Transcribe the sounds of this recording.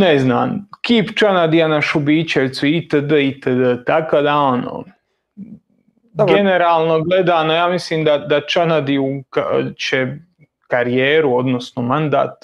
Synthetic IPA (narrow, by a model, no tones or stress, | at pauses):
nezna̰ːmkiːpt͡ʃanad̪ijanaʃubiːt͡ɕeʋt̪suit̪əd̪əit̪əd̪ət̪akod̪aono̰ | ɡene̞ɾaːlˠnoɡled̪aːnojaːmisliːmd̪ad̪at͡ʃanad̪iukat͡ɕe | kaɾijeːɾuod̪no̞snomand̪a̰ːt̪